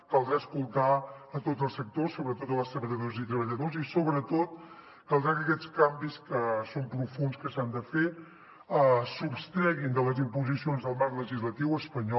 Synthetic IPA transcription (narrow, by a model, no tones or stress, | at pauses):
kalˠd̪ɾaəskulˠt̪aət̪otzəlˠsək̚t̪osːoβɾət̪ot̪ələst̪ɾəβəʎəðozit̪ɾəβəʎəðozisoβɾət̪ot̪ | kalˠd̪ɾakəkɛt͡skambiskəsompɾufunskəsand̪əfe | əsupst̪ɾɛɣind̪ələzimpuzisionzðəlˠmaɾkləʒizlət̪iwəspəɲɔ